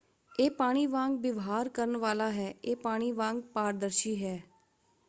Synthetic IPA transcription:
eːpaːɽ̃iːʋãːŋɡ̚bɪʋɦaːɾkəɾənʋaːlaːɦɛːeːpaːɽ̃iːʋãːŋɡpaːɾd̪əɾʃiːɦɛː

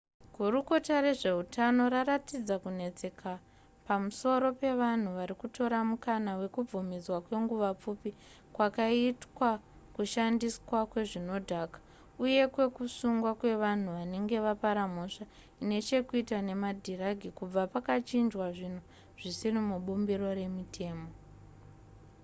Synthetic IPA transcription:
ɡʱuɾuko̞taɾe̞ʐe̞utʰano̞ɾaɾatid͡zakune̞t͡se̞kʰa | pamuso̞ɾo̞pe̞ʋan̤uʋaɾikuto̞ɾamukanawe̞kub͡vumid͡zwakwe̞ŋɡuʋap͡fupi | kwakaitwa | kuʃandiskwakwe̞ʐino̞dʱakḁ | uje̞kwe̞kusuŋɡwakwe̞ʋan̤uʋane̞ŋɡe̞ʋapaɾamoʂa | ine̞t͡ʃe̞kuitane̞madʱiraɡʱikub͡vapakat͡ʃind͡ʒwaʐin̤u | ʐ̥isirimuɓumbiɾo̞re̞mitʰe̞ːmo̞

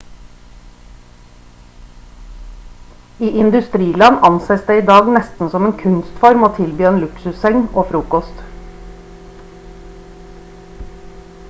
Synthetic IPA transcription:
iːʔɪnd̪ʉst̪ɾiːlɑnɑnseːsd̪eːiːd̪ɑːɡnɛst̪n̩sɔmeːnkʰʉnst̪fɔɾmoːt̪ʰɪlbyːeːnlʉksʉsɛŋoːfɾuːkɔst̪

